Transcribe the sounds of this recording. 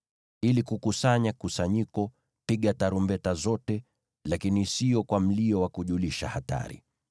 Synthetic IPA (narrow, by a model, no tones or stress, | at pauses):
ilikukusaɲakusaɲikɔ | piɠataɾumbɛtazɔtɛ | lakinisijɔkwam̩liɔwakuʄuliʃa̰hata̰ɾḭ